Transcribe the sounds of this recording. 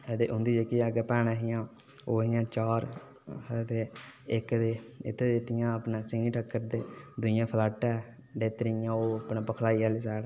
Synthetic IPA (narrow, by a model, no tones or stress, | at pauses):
d̪eːʔʊnd̪iːd͡ʒekiaɡpɛːnaɦɪjãː | oːɦɪjãːt͡ʃaːɾ | t̪eːɪkd̪eːɪ̰t̪ʰːeːd̪ɪt̪ɪjãːəpnãːsɪniːʈəkːəɾd̪eːd̪ʊɪjãːpʰlaːʈɛː | ɖeːt̪əɾɪjãːoːapnãːpəkʰlaːiːaliːsɛːɽ